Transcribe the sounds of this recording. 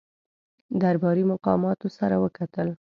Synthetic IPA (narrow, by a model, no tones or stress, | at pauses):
d̪aɾbɑɾimʊqɑ̰mɑt̪osaɾawəkat̪əl